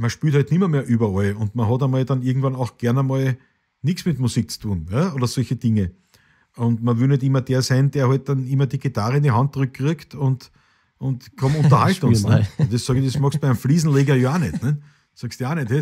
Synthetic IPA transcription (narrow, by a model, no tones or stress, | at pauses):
mɐʃpyːthɔɪtnimɐmeːɐʔyːbɐɔlʊntmɐɦɔtɐmɔldɑniɪɐɡŋ̩tvɑnɑʊxɡ̥ɛɐnɐmol | nɪksmɪtmusik̚t͡su̥tʰuːnjaoːdɐsɔlçəd̥ɪŋə | ʊntmɐʋɪlnɛtimɐd̥eːɐsæɪnd̥eːɐhɔɪt̚d̥ɑnimɐdiɡ̥itaʁəɪnd̪iɦant̚ːʁʏk̚ɡʁʏktʊnt | ʊntkʰɔmʊ̃nt̪ɐhaltʊŋɛd̪essɑːɡɪdesmɑxstpɛæɪmfliːzn̩leːɡɐjoaːnɛtnɛt | sɑːkst̪joaːnɛthɛ